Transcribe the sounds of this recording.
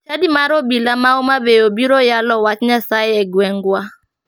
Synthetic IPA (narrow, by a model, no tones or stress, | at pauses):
t͡ʃadimaɾobilamaomabeobiɾojalɔwat͡ʃɲasajɛɡwɛŋɡwa